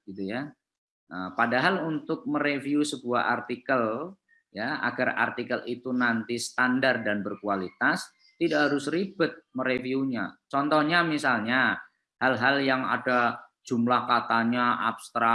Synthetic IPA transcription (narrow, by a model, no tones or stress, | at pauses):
ɡ̥it̪uja | əpadaɦalunt̪ʊk̚məɾefiusəbua̰ɦa̰rt̪ikəl | jaa̰ɡara̰rt̪ikəlit̪unant̪isə̥t̪andardanbərkualit̪as | t̪idaʔɦaɾʊsribʊt̪̚məɾefiuɲa̰t͡ʃɔnt̪ɔhɲamisalɲa | halɦaljaŋa̰dḁd͡ʒumlahkat̪aɲaʔa̰bst̪ɾa